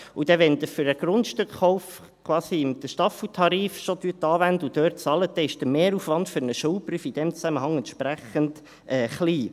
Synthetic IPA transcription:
ʊd̥ɛʋɛnd̪əfyɾəɡ̥ɾʊndʃtøkχɔʊf | kʰwɑːsiɪmd̥̪əʃtɑfl̩tʰɑɾiːfʃot̪yt̪ːɑːvænd̪əud̥̪øːɾtt͡sɑləd̥̪ɛɪʃd̥əmeːɾuːfʋɑnd̥fʏɾnəʃuːlpryːfid̥̪ɛmt͡sæməɦɑŋɛntʃpɾæχənd | ʔɛːχliː

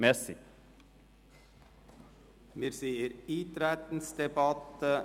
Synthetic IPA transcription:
mɛsɪ | miɾsiːəɾiːt̪ɾæt̪n̩sd̪ɛbɑt̪ə

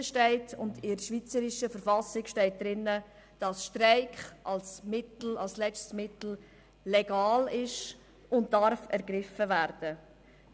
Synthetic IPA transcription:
əʃtɛɪtʰʊndɪɾʃvʋit͡səɾɪʃəfəɾfɑsɪkʃtɛɪt̚d̥ɾɪnːə | d̥ɑsʃtɾaɪkχʔɑlsmɪtl̩ɑlslɛt͡stmɪtl̩ | lɛɡɑːlɪʃ | ʊnt̚d̥ɑɾfɛɾɡɾɪfəvæɾd̥ə

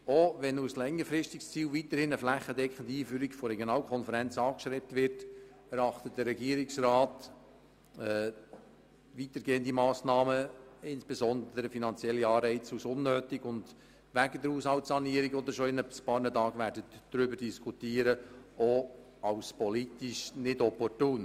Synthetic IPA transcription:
oʋɛnuslɛŋːəɾfɾɪʃtikst͡siːlvitəɾhɪnəflæχːədɛkχəndiiːfyːɾikfɔrɛɡjonɑːlkʰχɔnfəɾɛnt͡sɑːkʃtɾɛp̚tʋɪrt | ɛɾɑχt̪ət̚d̥ərːɛɡiːəɾiksrɑːt | ɛ | ʋitəɾɡeːənd̪imɑːsnɑːməɪnsb̥esɔnd̪əɾəfinɑnt͡sjɛlːiɑːrɛɪt͡susʊnːøːtiɡʊnd | ʋæɡədəɾhuːshɑltsɑniəɾikɔd̪əʃɔɪnəspɑːɾnətɑːɡʋæːɾdətd̥ɾʏbəɾd̥iskʰutiːəɾəo | ɑwspɔlitiʃnɪdɔpɔrtuːn

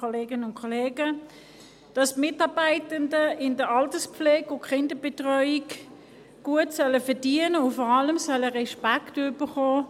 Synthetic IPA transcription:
oleːɡənəʊnkʰɔleːɡə | d̥ɑsmɪtɑːbaɪtəndəɪndəɑltəspflɛːɡʊkχɪndəb̥etʁœʏik | ɡ̥uətsœləfədiənəʊfɔʁɑləmsœləʁɛʃpaktʉbəχoː

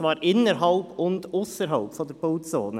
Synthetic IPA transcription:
ʋɑːɾʔɪnəɾɦɑlpʰʊnd̪ʊsəɾɦɑlpfɔd̪əɾb̥oʊtsoːnə

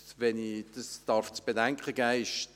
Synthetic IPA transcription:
ʋɛnid̪̥əsd̥ɑɾft͡sb̥edæŋkχəɡ̥æːɪʃ

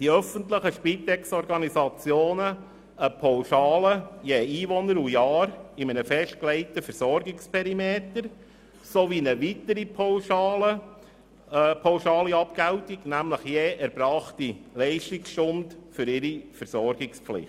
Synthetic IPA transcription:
d̥iœfəntləχəʃpit̪ɛksɔɾɡɑnizɑt͡sjoːnə | əpʰɔwʃɑːləjeiːʋɔnəɾujɑːɾɪmənəfɛʃt̚klɛɪtəfəɾsɔɾɡɪkspʰɛɾimeːt̪əɾ | soʋinəʋitəɾipʰoʊʃɑlə | pʰɑʊʃɑːliɑpkæwtiɡ̥næmləχjeːʔɛɾb̥ɾɑːχtilɛɪʃtɪksʃʊntfʏɾɪɾifəɾsɔɾɡ̥ɪksflɪ̰χt

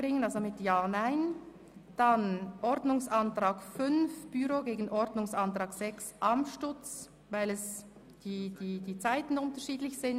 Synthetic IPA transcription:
bʁɪŋənalzomɪtjaːnaɪn | d̥anʔɔɾdnʊŋsantʁ̥aːɡfʏnfb̥yɾoɡeːɡən̩ʔɔɾdnʊŋsantʁ̥aːɡz̥ɛksʔamʃtʊt͡s | vaɪlɛs | d̥iːd̥iːd̥iːt͡saɪtn̩ʊntɐʃiːdlɪçsɪn

